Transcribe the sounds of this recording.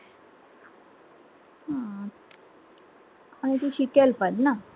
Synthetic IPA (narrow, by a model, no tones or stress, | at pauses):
hã | aɽ̃it̪uɕikelpəd̪na